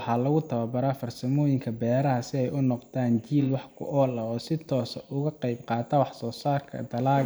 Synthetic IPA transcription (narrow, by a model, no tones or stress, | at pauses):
ħɑːlɐɣʊt̪ʰɐwɐbɐɾaːfɐrsɐmɔːjɪŋkʰɐbɛːɾɐɦɐsɪɛjʊnɔqd̪aːnt͡ʃiːlwɑħkʰʊ̰ʔɔːlɐɔːsɪt̪ʰɔːsʔʊɣɐqɑjbqɑːt̪ʰɐwɑħsɔːsaːrkʰɐ̰d̪ɐlaː